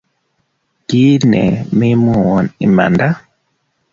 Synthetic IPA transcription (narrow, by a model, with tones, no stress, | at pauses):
ɡiː˦nɛ̰˨mi˦mɔ˦˨wɔ˨ni˨ma̰˨nda˦